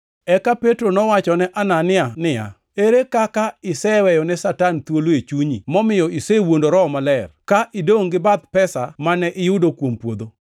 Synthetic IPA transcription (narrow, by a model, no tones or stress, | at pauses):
ɛkapetɾonɔwat͡ʃɔnɛʔananɪanɪja̰ | eɾekakaɪsɛwɛjɔnɛsatant̪woloet͡ʃuɲḭmɔmɪjɔisewondoɾɔmalɛrkaʔɪdoŋɡɪbat̪̚pɛsa̰manɛʔɪjʊdokwompwod̪o